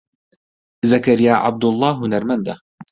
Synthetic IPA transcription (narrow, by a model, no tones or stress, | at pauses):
zɐkɐɾijaːʔa̰b̚d̪ʊlˠˤːɑːɦunɐɾmɐnd̪a